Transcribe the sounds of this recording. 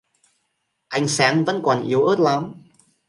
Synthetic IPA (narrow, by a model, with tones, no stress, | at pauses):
ʔa˧jŋ̟saː˨˦nvə̰˧˥nkɔ˨˩nʔi˨˦əwʔəː˦˥t̚la˨˦m